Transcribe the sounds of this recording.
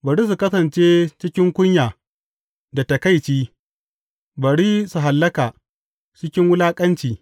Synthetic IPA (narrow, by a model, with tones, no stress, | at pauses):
bɐ˨ɽiː˦s̬u˨kɐ˦sɐ˨nt͡ʃeː˦t͡ʃɪ˦kʲɪ˦ŋkʷʊ˦ɲjaː˨ | da˨ta˨ka˦˨jt͡ʃiː˦ | bɐ˨ɽiː˦su˨ɦa˨lːɐ˦kaː˨ | t͡ʃɪ˦kʲɪ˦ŋwʊ˦laː˦kʼɐ˦nt͡ʃiː˨